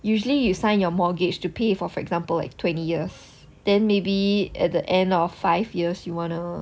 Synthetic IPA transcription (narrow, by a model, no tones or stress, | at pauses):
juʒəlijusãɪ̃njɔmɔɡɪd͡ʒtupʰefɔfɔɛ̰kz̥ãmpəla̰ɪk̚tʰwɛ̃ntijiəs | d̥ɛ̃nmebiɛ̰t̚dəʔɛ̃ndɔfːaɪvjiəsjuwɔ̃nu